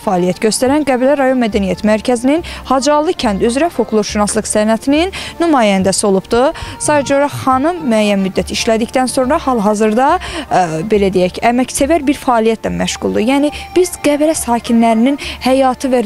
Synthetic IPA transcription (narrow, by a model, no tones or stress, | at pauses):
fɑːlijæt̪ɟø̞st̪æɾænɡæbɾæɾɑjo̞nmæd̪ænijæt̪ʰmæɾcʰæzininhɑd͡ʒɑlˠɯcʰænd̪yzɾæfoklˠoɾʃunɑslˠɯqsænæt̪ʰininːymɑːjænd̪æsio̞lˠubd̪usɑːd̪æd͡ʒoɾɑxɑnɯmːyæjːænmyd̪ːæt̪ʰiʃlæd̪icd̪ænso̞nɾɑhɑlˠɦɑzɯɾd̪ɑ | be̞læd̪ejæcæmæcsevæɾbiɾfɑːlˠijæt̪̚ʰlænmæʃʁulˠd̪ujæːnib̥izɡæbɾæsɑːcʰinlæɾininhæjɑːt̪ʰɯvæ